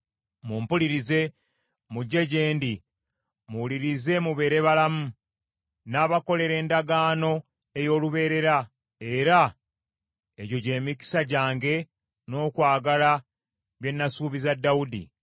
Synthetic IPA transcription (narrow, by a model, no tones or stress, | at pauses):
muːmpuliɾize̞ | muɟːe̞ɟe̞ːndi | muwuliɾize̞muβe̞ːɾe̞βalamu | naːβako̞le̞ɾe̞ːndaɡaːno̞ | e̞jo̞ːluβe̞ːɾe̞ɾa | e̞ɾa | eɟo̞ɟe̞ːmiki̥saɟaːŋɡe̞ | no̞ːkwaːɡala | βje̞nːasuːβizadːawudḭ